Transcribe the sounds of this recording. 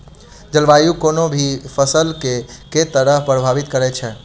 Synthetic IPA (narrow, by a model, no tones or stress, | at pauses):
d͡ʒəlʋajukonobʱipʰəsəlkeket̪əɾəɦpɾəbʱaʋit̪kəɾɛt͡ʃʰɛ